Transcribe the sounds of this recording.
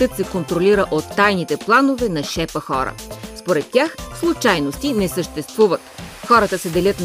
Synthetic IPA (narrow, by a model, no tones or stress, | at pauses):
t̪ɤt̪sɛkont̪ɾoliɾəʔot̪ːajnit̪ɛplˠanovɛnɐʃɛpəxɔ̰ɾə̰spoɾɛt̪ːʲaxslˠut͡ʃajnost̪inɛsəʃt̪ɛst̪vuvɐt̪xɔɾət̪əsɛd̪ɛlʲət̪n